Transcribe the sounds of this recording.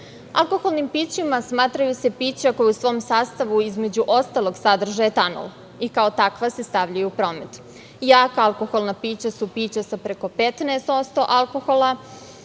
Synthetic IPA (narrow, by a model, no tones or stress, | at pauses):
a̰lˠko̞xolˠnimpiːt͡ɕimasmaːt̪ɾajuse̞piːt͡ɕako̞jusʋo̞ːmsaːst̪aʋuizme̞d͡ʑuʔo̞st̪alˠo̞ɡsad̪r̩ʒajet̪ano̰lˠ | ikaot̪akʋase̞st̪aʋʎajuupɾo̞ːme̞t̪ | jaːkaalko̞xolˠnapiːt͡ɕasupiːt͡ɕasapɾeko̞pet̪neːst̪o̞st̪o̞ʔalko̞xo̞lˠa